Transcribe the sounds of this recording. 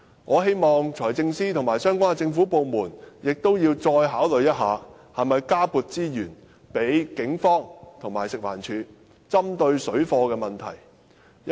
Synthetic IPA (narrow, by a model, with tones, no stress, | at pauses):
ŋɔː˨˧ɦe˥jmɔː˨ŋt͡ʃʰɔː˨˩jt͡sɪ˧ŋsiː˥t̪ʰŋmaː˨˩jsœː˥ŋkʷaː˥ɛ˧t͡sɪ˧ŋfuː˨˥po˨˧wmuː˨˩njɪ˨k̚t̪o˥wjiː˧wt͡sɔː˧jɦaː˨˥wlɵ˨ɥjɐ˥t̚ɦaː˨˧ | hɐ˨˩mɐ˨jkaː˥puː˨t̚t͡siː˥jyː˨˩n | pe˨˥jkɪ˨˥ŋfɔː˥ŋt̪ʰʊ˨˩ŋmaː˨˩jsɪ˨k̚wa̰ː˨˩nt͡ʃʰyː˨˧ | t͡sɐ˥mt̪ɵ˧ɥsɵ˨˥ɥfɔː˧kɛː˧mɐ˨˩nt̪ʰɐ̰˨˩j